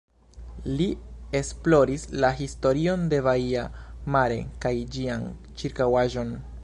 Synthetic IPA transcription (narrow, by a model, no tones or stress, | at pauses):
lie̞splo̞ɾislaɦisto̞ɾio̞nde̞vaiamaɾe̞̰kajd͡ʒian | t͡ʃiɾkawaʒo̞n